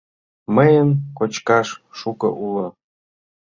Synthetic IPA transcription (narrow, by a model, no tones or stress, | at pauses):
məjənkot͡ɕkɑʃːukɤ̰̆ʔulŏ